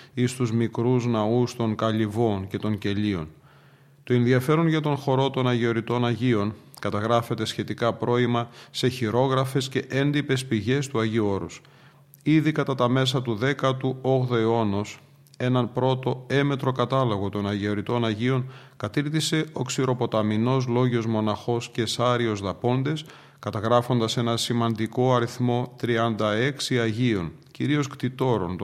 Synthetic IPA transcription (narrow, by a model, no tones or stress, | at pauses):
ist̪uzmikɾuznɐust̪o̞ŋkɐʎivo̞nce̞t̪o̞ŋce̞ʎio̞̰n | t̪o̞e̞nðiɐfe̞ɾonʝɐt̪o̞nxo̞ɾo̞t̪o̞nɐʝio̞ɾit̪o̞nɐʝio̞n | kɐt̪ɐɣɾɐfe̞t̪e̞sçe̞t̪ikɐpɾʔo̞imɐse̞çiɾo̞ɣɾɐfe̞sce̞ʔe̞nd̪ipe̞spiʝe̞st̪uɐʝio̞ɾus | iðikɐt̪ɐt̪ɐme̞sɐt̪uðe̞kɐt̪uo̞ɣðo̞eo̞nos | e̞nɐnpɾo̞t̪o̞e̞me̞t̪ɾo̞kɐt̪ɐlo̞ɣo̞t̪o̞nɐʝioɾit̪o̞nɐʝio̞ŋkɐt̪iɾθise̞o̞ksiɾo̞po̞t̪ɐmino̞z̬lo̞ʝo̞zmo̞nɐxo̞sce̞sɐɾio̞zðɐpo̞nd̪e̞s | kɐt̪ɐɣɾɐfo̞nd̪ɐse̞nɐsimɐnd̪iko̞ɐɾiθmo̞t̪ɾiɐnd̪ɐe̞ksiɐʝio̞̰nciɾio̞skt̪it̪o̞ɾo̞̰n